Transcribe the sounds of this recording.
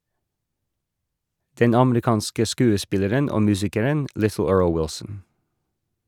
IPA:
ˈdɛn ˈɑmɾɪˌkɑːnskə ˈskʉːəˌspɪləɾən ˈoː ˈmʉːsɪkəɾən ˈʔlɪθl̩ ˈɜːɹl ˈwɪlsn̩

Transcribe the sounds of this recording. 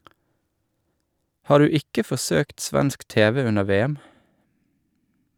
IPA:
ˈhɑːɾ ˈʉː ˈɪkə fɔˈsøːkt ˈsʋɛnsk ˈteːʋɛ ˈʉnə ˈʋeːɛm

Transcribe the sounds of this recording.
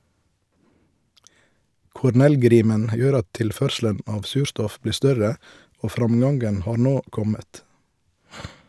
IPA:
kʊɾˈnɛlˌɡɾiːmən ˈjøːɾ ˈɑt ˈtɪlˌfœɾʃl̩ən ˈɑːʋ ˈsʉːɾˌstɔf ˈbliː ˈstœɾə ˈoː ˈfɾɑmˌɡɑŋɡən ˈhɑːɾ ˈnoː ˈkɔmət

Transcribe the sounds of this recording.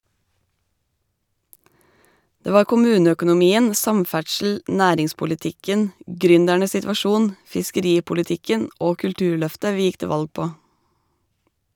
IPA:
ˈdeː ˈʋɑːɾ kʊˈmʉːnəœkʊnʊˌmiːən ˈsɑmˌfæʈʃl̩ ˈʔnæːɾɪŋspʊlɪˌtɪkən ˈɡɾʏndæɳə sɪtʋɑˈʃuːn fɪskəˈɾiːpʊlɪˌtɪkən ˈoː kʉlˈtʉːɾˌɭœftə ˈʋiː ˈjɪk ˈteː ˈʋɑlɡ ˈpoː

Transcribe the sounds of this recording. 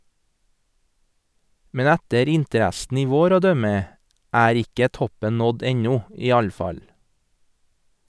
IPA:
ˈmɛn ˈɛtəɾ ˈɪntəˌɾɛsn̩ ˈiː ˈʋoːɾ ˈoː ˈdœmə ˈæːɾ ˈɪkə ˈtɔpən ˈnɔd ˈɛɲɔ ˈiː ˈɑʎ ˈfɑʎ

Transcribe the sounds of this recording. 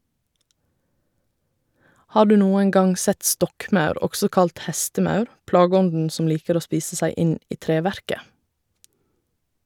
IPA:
ˈhɑː ˈɖʉː ˈnuːən ˈɡɑŋ ˈsɛt ˈstɔkˌmɑʉɾ ˈɔɡsɔ ˈkɑlt ˈhɛstəˌmɑʉɾ ˈplɑːɡəˌɔndn̩ ˈsɔm ˈliːkəɾ ˈoː ˈspiːsə ˈsæɪ ˈɪn ˈiː ˈtɾeːˌʋæɾkə

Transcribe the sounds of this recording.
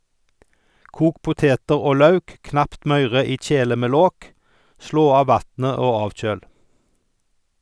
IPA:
ˈkuːk ˈpʊteːtəʁ ˈoː ˈlɑʉk ˈknɑpt ˈmœʏʁə ˈiː ˈc͡çeːlə ˈmeː ˈloːk ˈsloː ˈɑː ˈʋɑtnə ˈoː ˈɑːʋˌc͡çøːl

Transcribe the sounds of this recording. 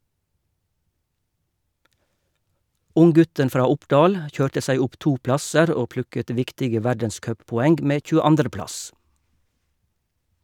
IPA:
ˈʊŋˌɡʉtən ˈfɾɑː ˈʊpɖɑːl ˈçøːʈə ˈsæɪ ˈʊp ˈtuː ˈplɑsəɾ ˈoː ˈplʉkət ˈʋɪktɪɡə ˈʋæɖənˌskœppɔˌɛŋɡ ˈmeː c͡çʉːəˈɑndʁə ˈplɑs

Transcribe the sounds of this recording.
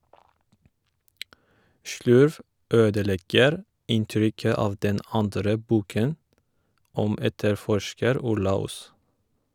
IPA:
ˈʃɭʉɾʋ ˈøːdəˌlɛɡəɾ ˈɪnˌtɾʏkə ˈɑːʋ ˈdɛn ˈɑndɾə ˈbuːkən ˈɔm ˈɛtəɾˌfɔʃkəɾ ˈʊɾlɑ ˈuːs

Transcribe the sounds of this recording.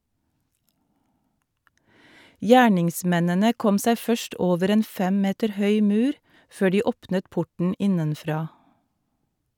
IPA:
ˈjæːɳɪŋˌsmɛnənə ˈkɔm ˈsæɪ ˈfœʃt ˈoːʋəɾ ˈeːn ˈfɛm ˈmeːtəɾ ˈhœʏ ˈmʉːɾ ˈføː ˈɖiː ˈɔpnət ˈpʊʈɳ̩ ˈɪnənˌfɾɑː

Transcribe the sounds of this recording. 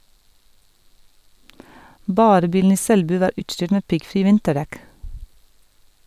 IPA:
ˈbɑːɾə ˈbiːln̩ ˈiː ˈsɛlˌbʉː ˈʋɑːɾ ˈʉːʈˌʃʈʏʈ ˈmeː ˈpɪɡˌfɾiː ˈʋɪntəˌɖɛk

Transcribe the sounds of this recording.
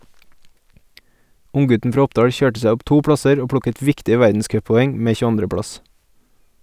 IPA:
ˈʊŋˌɡʉtn̩ ˈfɾɑː ˈɔpˌdɑːɽ ˈçøːʈə ˈsæ ˈɔp ˈtuː ˈpɽɑsəɾ ˈoː ˈpɽʊkət ˈʋɪktɪə ˈʋæɾdn̩ˌskœppɔˌɛŋ ˈmeː çʉˈɑndɾə ˈpɽɑs

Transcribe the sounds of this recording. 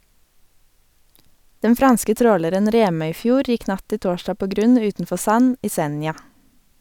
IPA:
ˈdɛn ˈfɾɑnskə ˈtɾoːləɾən ˈɾeːmœʏˌfjuːɾ ˈjɪk ˈnɑt ˈtɪ ˈtoːʃtɑː ˈpoː ˈɡɾʉn ˈʉːtn̩ˌfɔ ˈsɑn ˈiː ˈsɛnjɑ

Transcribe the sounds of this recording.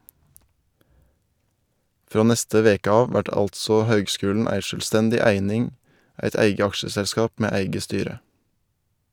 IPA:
ˈfɾoː ˈnɛstə ˈʋeːkə ˈɑːʋ ˈʋæʈ ˈɑltsɔ ˈhøːɡˌskʉːln̩ ˈæɪ ʃœlˈstɛndɪ ˈæɪnɪŋ ˈæɪt ˈæɪɡə ˈɑkʃəsɛlˌskɑːp ˈmeː ˈæɪɡə ˈstyːɾə

